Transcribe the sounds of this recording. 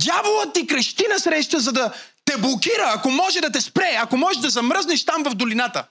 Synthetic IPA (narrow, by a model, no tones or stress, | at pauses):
d̪ʲjavolˠət̪ːikɾɐʃt̪inɐsɾɛʃt̪əzɐd̪ɐ | t̪ɛblˠokiɾəːkomɔʒɛd̪ɐt̪̬ɛspɾɛɐkomɔɛʒd̪ɐzɐmɾəzniʃt̪amvɐvd̪olinat̪ə̰